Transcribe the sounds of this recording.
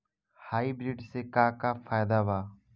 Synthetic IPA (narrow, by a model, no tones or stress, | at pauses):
haːiːbɾiːɖseːkaːkaːfʰaːjd̪aːʋaː